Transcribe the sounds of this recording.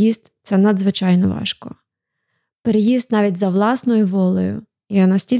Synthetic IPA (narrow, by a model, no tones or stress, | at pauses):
ist̪ʲt̪sɛnɐd̪zʋɪt͡ʃɑjnɔʋɑ̰ʃkɔ̰ | peɾejizt̪nɑʋʲitʲzɐʋlˠɑsnɔjʊʋɔlˠɔjʊ̰ | janɐsʲtʲil